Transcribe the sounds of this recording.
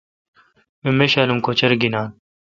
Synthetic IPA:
emeɕaːlumkot͡ɕɐɾɡinaːn

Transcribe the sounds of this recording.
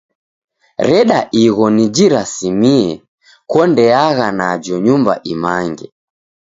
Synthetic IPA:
ɾɛɗaʔiɣɔnid͡ʒiɾasimiɛ | kɔndɛaɣanad͡ʒɔɲumba̰ʔimaŋɡɛ

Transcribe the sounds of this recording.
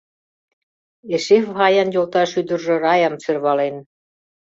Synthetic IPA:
eʃefɦɑjɑnjolt̪ɑʃyd̪ərʒɤ̆rɑjɑmt͡sørβɑlen

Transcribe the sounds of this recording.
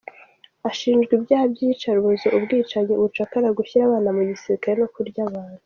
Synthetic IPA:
aʃiːnd͡ʒɡwibjaːhabɟit͡ʃaɾuuzoʔubɡiːt͡ʃaɲeuβut͡ʃakaɾaɡuçiɾaβaːnamuɟisiɾikaɾeno̞kuɾɟaβaːn̥u

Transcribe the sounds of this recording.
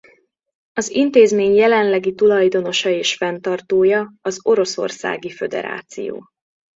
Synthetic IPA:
ɒzint̪eːzmeːɲjɛlɛnlɛɡit̪ulɒjd̪o̞no̞ʃɒeːʃfɛnt̪ɒrt̪oːjɒɒzo̞ɾo̞so̞̰rsa̰ːɡifø̞d̪ɛ̰ɾa̰ːt̪sḭjo̰ː

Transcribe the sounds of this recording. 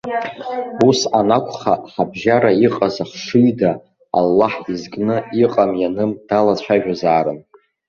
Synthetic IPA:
usanakʷʰʼχaħabʒaɾaiqʼazaχʂɨjda̰ː | lːaħizkʼnɨiqʼamjanɨmd̥alat͡ɕʷʰaʒᶣazaːɾɨn

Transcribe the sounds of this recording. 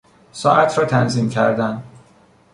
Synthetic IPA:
sɒːʔæt̪ʰɾɒːt̪ʰænziːmcʰæ̰ɾd̪æn

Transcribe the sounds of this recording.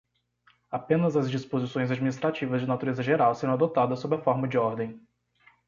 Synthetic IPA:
apẽnɐzɐzd͡ʒispozisõj̃zad͡ʒminist̪ɾat͡ʃivɐzd͡ʒɪnat̪uɾezɐʒeɾawseɾɐ̃w̃ad̪ot̪ad̪ɐsːobɪɐfɔɾmɐd͡ʒɪɔɾd̪ẽj̃

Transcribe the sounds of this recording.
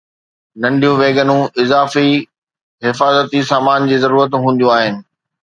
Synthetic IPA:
nɐ̃ɳɖijũʋeːɡənũʔɪzaːfi | ɦɪfaːzət̪isaːmaːnd͡ʑiːzɐɾuːɾət̪ɦũːn̆d̪ijũaːɦɪnɪ̆

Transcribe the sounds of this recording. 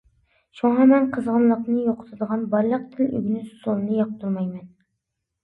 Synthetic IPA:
ʃuɴɑmɛnqʰəzʁənlˠəqnɨjoqʰə̥t̪ʰɨd̪əʁɑnbɑɾlˠəq̚t̪ʰɪly̰ɡʲnɪssonɨnjɑq̚t̪ʰuɾmɑjmɛn

